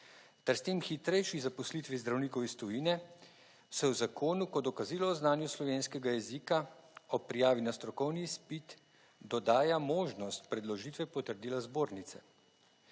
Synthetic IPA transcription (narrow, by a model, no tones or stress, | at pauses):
t̪ɛɾst̪eːmxit̪ɾɛjʃizapɔslit̪ʋizd̪ɾawniːkɔwist̪ɔjinɛ | sɛwzakʰoːnukɔd̪ɔkaziːlɔːznaːnjuslɔʋeːnskɛɡajɛzikaɔpɾijaːʋinast̪ɾɔkɔwnispit̪ | d̪ɔd̪aːjamoːʒnɔst̪pɾɛd̪lɔʒit̪ʋɛpɔt̪əɾd̪iːlazboːɾnit̪sɛ